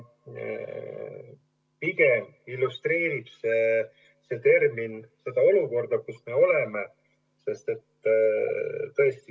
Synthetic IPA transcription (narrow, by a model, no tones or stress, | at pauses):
piɡ̥e̞m | ilːust̪re̞ːɾib̥se | se̞t̪e̞rminse̞d̪̥ɑo̞luko̞rd̪̥ɑkusme̞o̞leme | se̞st̪e̞t̪ | t̪ɤ̞e̞st̪i